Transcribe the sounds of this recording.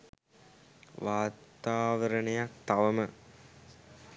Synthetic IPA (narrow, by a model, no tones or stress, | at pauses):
ʋaːt̪aːʋɐɾɐɳejak̚t̪ɐʋɐmə